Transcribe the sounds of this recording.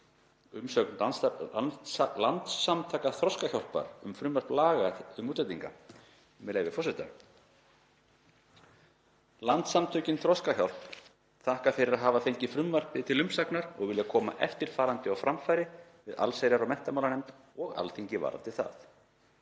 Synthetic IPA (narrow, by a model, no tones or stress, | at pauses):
ʏmsœknlans | lant̪samt̪ʰaːkaθɾɔskaçawlpa̰ɾʏ̰mfɾʏmvaɾ̥plaːɣaʏmuːt̪ɛt̪ːiŋka̰ | mɛleːjvɪfɔrsɛt̪a̰ | lant̪samt̪ʰœɥcɪnθɾɔskaçawl̥p | θahkafɪɾɪɾaðɦaːvaθejɲcɪfɾʏmvar̥pɪt̪ʰɪlʏmpsaknaɾɔɣvɪljakʰɔːma̰ʔɛ̰ft̪ɪɾ̥faːɾant̪ɪɔwfɾamfajɾɪ | vɪða̰lseːjɾaɾɔɣmɛn̥t̪amawlanɛmt̪ | ɔɣa̰lθiɲcɪva̰ːɾa̰t̪ʰɪlθa̰θ